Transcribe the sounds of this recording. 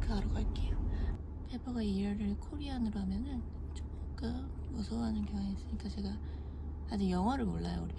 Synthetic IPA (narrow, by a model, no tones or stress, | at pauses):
kʰɯaɾoɡaɭk͈ejo | pʰepʰʌɡaiɾaɾɯɭkʰoɾiɦanɯɾoɦamjʌnɯn | t͡ɕok͈ɯm | osʰoɦanɯnkjʌŋeis͈ɯɲik͈at͡ɕe̞ɡa | ad͡ʑɯjʌŋɦwaɾɯɭmoɭːa̰jo̰uɾi